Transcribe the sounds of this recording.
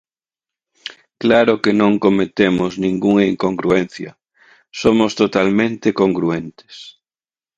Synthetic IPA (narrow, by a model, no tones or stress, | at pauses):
klaɾokenõŋkomet̪emʊznĩŋɡuŋaiŋkoŋɡɾuen̟θjɐ̰ | somost̪ot̪almẽnt̪ekoŋɡɾuent̪ɪ̥s